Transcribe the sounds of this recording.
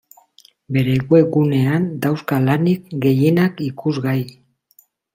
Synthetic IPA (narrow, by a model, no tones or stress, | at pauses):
be̞ɾe̞ɣwe̞ɡune̞and̪awskalanik̚ɡe̞je̞nakikuzɣaj